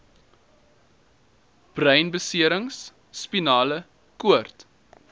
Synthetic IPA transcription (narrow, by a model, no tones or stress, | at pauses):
b̥rœjnbəsiəɾəŋsː | pinɑːlə | kuərt